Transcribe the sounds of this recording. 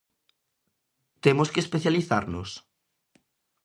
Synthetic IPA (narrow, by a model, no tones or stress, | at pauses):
t̪emoskespeθjaliθa̰ɾnʊs